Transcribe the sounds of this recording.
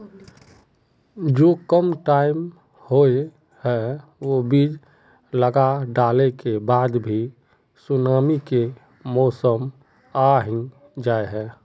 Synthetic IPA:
d͡ʒoːkəmʈaːɪm | hoe | hɛʋobiːd͡ʒ | ləɡaɖaːlekebaːd̪bʱi | sʊnaːmike | mɔːsəm | aɦɪ̃ŋɡ | d͡ʒaːeɦɛː

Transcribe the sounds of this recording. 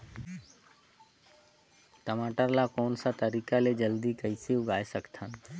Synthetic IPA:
ʈəmaːʈəɾlakɔːnsat̪əɾiːkaled͡ʒəld̪ikəiseʊɡaːesəkt̪ʰan

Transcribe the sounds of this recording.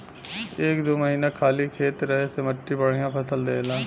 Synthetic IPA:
eːkd̪oːməɦiːnakʰaːlikʰeːt̪ɾɐɦɛsemɐʈːibɐɽ̤ijãpɐsəld̪eːlãː

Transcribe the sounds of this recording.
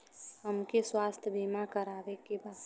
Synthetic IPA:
həmkeswaːst̪ʰbiːmakəɾaːʋekebaːd̪

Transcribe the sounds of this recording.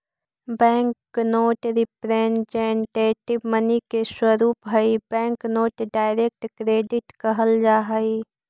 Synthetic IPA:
bɛ̃ːŋknoːʈɾɪpɾeːnd͡ʒeːɳʈeːʈɪbmənikeswəɾuːpɦɐibɛ̃ːŋknoːʈɖaːɪɾeːk̚ʈkɾeːɖɪʈkɐɦəld͡ʒaːɦəi

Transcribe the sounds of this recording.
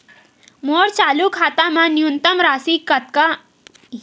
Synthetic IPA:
moːɾt͡ʃaːlukʰaːt̪amãnjunt̪əmɾaːsikɐt̪̚ka

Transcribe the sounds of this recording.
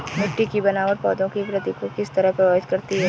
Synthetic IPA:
mɪʈːikibɐnaɔːɾpɔ̰ːd̪õkipɾɐt̪ikokɪst̪ɐɾəɦpɾɐʋaːbɪt̪kɐɾt̪iɦɛː

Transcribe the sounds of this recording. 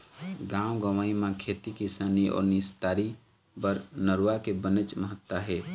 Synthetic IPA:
ɡãwɡəʋaimãkʰet̪ikisaːniɔ̰ːɾnist̪aːɾi | bəɾnəɾuwakebənət͡ʃməɦət̪ːaɦe

